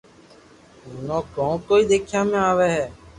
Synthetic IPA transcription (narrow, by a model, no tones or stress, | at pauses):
ɦʊnõːkõːkoːiːɗ̪eːkʰɪjãːmẽːaːʋeːɦɛː